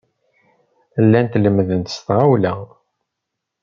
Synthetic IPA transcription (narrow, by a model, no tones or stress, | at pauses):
lːænt̪ləmðənt̪ə̥st̪ʁawlæ